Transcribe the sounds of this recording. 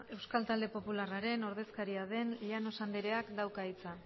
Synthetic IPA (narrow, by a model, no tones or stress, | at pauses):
e̞wskalt̪ald̪epo̞pularaɾe̞no̞ɾð̞e̞skaɾiaðe̞nʎano̞sand̪eɾe̞akd̪awkait͡sa